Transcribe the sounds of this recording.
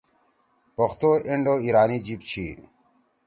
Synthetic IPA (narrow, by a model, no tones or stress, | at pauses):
pəxt̪oːeɳɖoːiːɾaːniːd͡ʑiːp̚t͡ɕʰḭː